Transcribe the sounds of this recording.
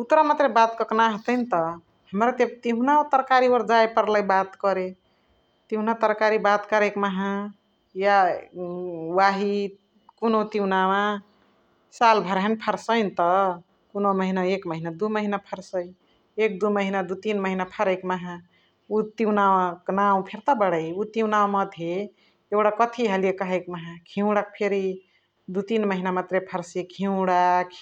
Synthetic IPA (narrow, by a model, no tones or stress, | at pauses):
ut̪ɾamat̪ɾebat̪kəknaɦət̪əjnt̪ʌ | həmɾat̪ebt̪iɦunat̪əɾkaɾioɾd͡ʒaepəɾləjbat̪kəɾe | t̪iɦunat̪əɾkaɾibat̪kəɾekmaɦã | ja | waɦi | kunot̪iwnawã | salbʱəɾɦenpʰəɾsəɪnt̪ʌ | kunoməɦinaekməɦinad̪uməɦinapʰəɾsəj | ek̚d̪uməɦinad̪ut̪inməɦinapʰəɾəkmaɦã | ut̪iwnawaknaw̃pʰeɾt̪abəɽəjut̪iwnaw̃mʌd̪ʱɦe | ewɽakət̪ʰiɦəljekəɦəjkmaɦãkʰiʊ̃ɽak̚pʰeɾi | d̪ut̪inməɦinamat̪ɾepʰəɾsekʰĩwɽak